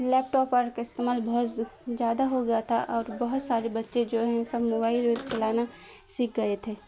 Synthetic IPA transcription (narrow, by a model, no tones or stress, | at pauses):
lɛːp̚ʈɔːpəɾkaɪst̪emaːlbɐɦʊt̪zjaːd̪aɦoɡɐjat̪ʰaʔɔːɾbɐɦʊt̪saːɾebɐtːʃed͡ʒoːɦɛ̃sɐbmoːbaːɪleːd̪t͡ʃɐlaːna | siːk̚ɡɐet̪ʰeː